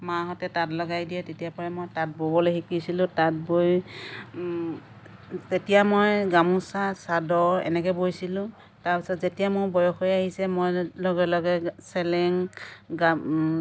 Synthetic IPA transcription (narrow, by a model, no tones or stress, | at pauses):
maɦɔtɛtatlɔɡajdijɛtetijapaɹɛmojtat̚bobɔlojɦikisilʊ̃tat̚boj | tetijamojɡamusasadɔɹɛ̰nɛkɛbojsilʊ̃ | taɹpisɔtzetijamʊɹbɔjɔxɔjaɦisɛmojlɔɡɛlɔɡɛsɛlɛŋɡa